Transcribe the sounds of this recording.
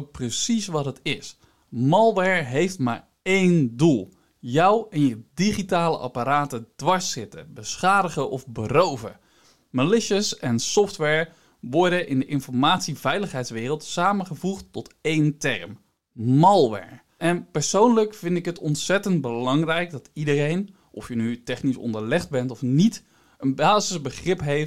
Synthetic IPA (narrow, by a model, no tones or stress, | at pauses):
prəsisʋɑtɦətɪs | mɑlˠʋɛɹɦejftma̰ːɹ | ejndulˠ | jʌwɛnjədiχitaːlə̰ʔɑ̰paɾaːtəd̥ʋɑɹsɪtə̰bəsχaːdəχəʔɔfbərowvə̰ | məlɪʃəsɛnsɔftʋɛɹ | ʋɔɹdəʔɪndəʔɪnfɔɹmaːtsivɛjləχɦɛjtsʋɪːrəlˠtsaːməχəvuχtɔtejntɛɹm | mɑlˠʋɛ̰ɹ | ʔɛnpəɹsownləkfɪndɪkɦətɔntsɛtəndbəlɑŋrɛjkdɑtidərejn | ʔɔfjənytɛχnisɔ̰ndəɹlɛχdbɛntɔfnit | ənbaːzɪzbəχrɪpɦejf